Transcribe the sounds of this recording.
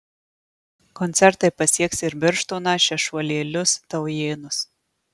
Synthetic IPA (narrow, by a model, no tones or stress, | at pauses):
kɔnʲt̪sʲɛɾt̪ɐɪpɐsʲiɛksɪɾbʲɪɾʃt̪ʊːnɑʃʲɛʃʋɔːlʲeːlʲʊst̪ɐʊjeːnʊs